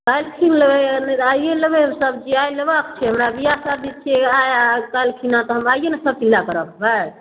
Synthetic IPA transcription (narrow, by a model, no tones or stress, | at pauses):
k̪ajlkʰinləbɛnajjeləbeɦəmsəbd͡ʒiajləbək̚t͡ʃʰɛɦəmɾabijasab̚d̪it̪̚t͡ʃʰieajak̪ajlkʰinat̪ɔɦəmajenesəb̚pilːakəɾəbbaj